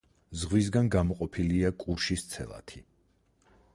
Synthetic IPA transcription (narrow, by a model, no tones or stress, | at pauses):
zʁwis̬ɡanɡamɔqʼɔpʰiliakʼuɾʃist̪sʰɛ̰lˠa̰t̪ʰi